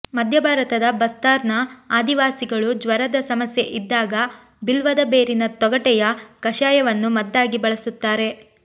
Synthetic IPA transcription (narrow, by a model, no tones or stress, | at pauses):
mɐd̪ʱjɐbʱaːɾɐt̪ɐd̪ɐbɐst̪aːɾnɐaːd̪iʋaːsiɡɐɭud͡ʒʋɐɾɐd̪ɐsɐmɐsje̞ʔid̪ːaːɡɐ | bilʋɐd̪ɐbeːɾinɐt̪ɔɡɐʈɛjɐkɐʃaːjɐʋɐnːumɐd̪ːaːɡibɐɭɐsut̪ːaːɾe̞